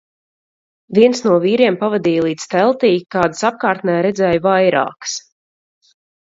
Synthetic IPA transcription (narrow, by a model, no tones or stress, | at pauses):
viɛnsnuɔviːɾiɛmpavad̪iːjlˠiːt̪st̪ɛlˠt̪iːkaːd̪ɨ̥sap̚kaːɾt̪næːɾɛd̪zɛːjvajɾa̰ːks